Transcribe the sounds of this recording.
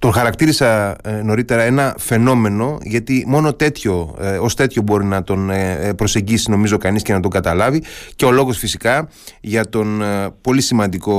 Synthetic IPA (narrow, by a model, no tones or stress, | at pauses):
t̪o̞nxɐɾɐkt̪iɾisɐno̞ɾit̪e̞ɾɐe̞nɐfe̞no̞me̞no̞ʝɐt̪imo̞no̞t̪e̞t̪ço̞ost̪e̞t̪ço̞bo̞ɾinɐt̪o̞npɾo̞se̞ɲɟisino̞mizo̞kɐnisce̞nɐt̪o̞ŋɡɐt̪ɐlɐviceo̞lo̞ɣo̞sfisikɐ | ʝɐt̪o̞npo̞lisimɐnd̪iko̞